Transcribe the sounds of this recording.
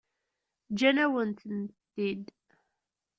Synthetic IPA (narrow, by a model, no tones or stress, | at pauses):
d͡ʒænæwənt̪nt̪ːid̪